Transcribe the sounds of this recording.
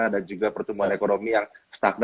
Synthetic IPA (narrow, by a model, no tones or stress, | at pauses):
adand͡ʒuɡapərt̪əmuɦanekonomijaŋst̪ak̚n